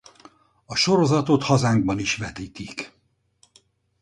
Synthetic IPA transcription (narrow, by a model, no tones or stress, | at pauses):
ɒʃo̞ɾo̞zɒt̪o̞t̪hɒzaːŋɡ̚bɒniʃʋɛt̪iːt̪ik